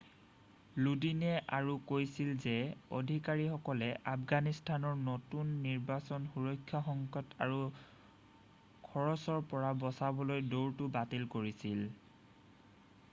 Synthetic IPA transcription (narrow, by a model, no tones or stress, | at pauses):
ludinɛʔaɹukojsilzɛo̰dʱikaɹixɔkɔlɛʔapʰɡanistʰanɔɹnotunːiɹbasɔnxuɹɔjkʰːjɔxɔŋkɔta̰ɹu | kʰɔɹɔsɔɹpɔɹabɔsabɔlojdoɹtubatilkoɹisil